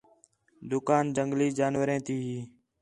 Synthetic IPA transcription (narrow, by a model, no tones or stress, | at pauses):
d̪ʊkaːnd͡ʒəŋɡliːd͡ʒaːnʋəɾẽːt̪iːɦiː